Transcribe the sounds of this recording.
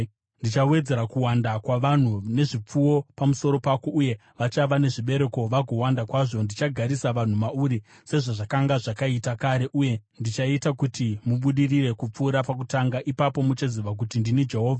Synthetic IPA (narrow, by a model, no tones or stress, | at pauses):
ndit͡ʃawe̞d͡ze̞ɾakuwandakwaʋan̤une̞ʐip͡fuwo̞pamuso̞ɾo̞pako̞ʔuje̞ | ʋat͡ʃaʋane̞ʐiɓe̞ɾe̞ko̞ʋaɡʱo̞wandakwaʐo̞ndit͡ʃaɡʱaɾisaʋan̤umauɾi | se̞ʐaʐakaŋɡaʐakaitakaɾe̞ʔuje̞ndit͡ʃaitakutimuɓuɗirire̞kup͡fuːɾapak̬utaŋɡaʔipapo̞mut͡ʃaziʋak̬utindinid͡ʒe̞ɦo̞ːvʱa